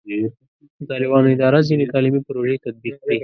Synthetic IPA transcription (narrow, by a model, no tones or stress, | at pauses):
t̪ɑlɪbɑnoɪd̪ɑɾazinet̪ɑlimipɾoʒet̪ad̪̚biq̚d̪əj